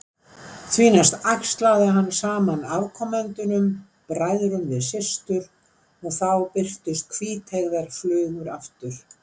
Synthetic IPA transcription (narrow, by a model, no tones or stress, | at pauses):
θʰviːnast̪akst̪laːðɪɦanːsaːmanavkʰɔmɛnt̪ʏnʏm | pɾajðɾʏnvɪðsɪ̥st̪ʏɾ | ɔɣθawpɪr̥t̪ʏst̪̚kʰviːt̪ʰɛɣðɛɾ̥flœːðʏɾaft̪ʏɾ̥